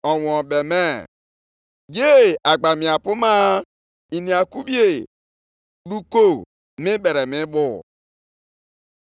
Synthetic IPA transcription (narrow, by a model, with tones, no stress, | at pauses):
ɔ˨wɔ˨be˨mɛ˦ | je˦a˨ɡ͡ba˨mi˨a˨pu˦ma˦ | i˨ni˨a˨ku˦bi˦e˦˨ | du˦ko˦˨ | mɪ˦be˨ɾe˨mɪ˦bʊ˦˨